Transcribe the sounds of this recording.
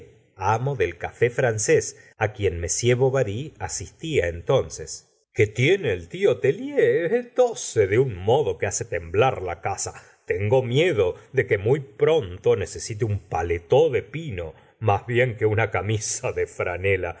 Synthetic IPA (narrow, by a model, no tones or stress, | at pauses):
amoðelkafe̞fɾanses | akje̞nme̞sjeβoβaɾiasist̪iaent̪o̞nses | ket̪jeneːlt̪io̞t̪eljet̪oseðeuŋmo̞ðo̞kease̞t̪e̞mblaɾlakasa | t̪eŋɡo̞mjeðo̞ðe̞ke̞mujpɾo̞nt̪o̞ne̞se̞sit̪̬eumpalet̪oðe̞pino̞̰ | mazβje̞ŋke̞unakamisaðefɾanela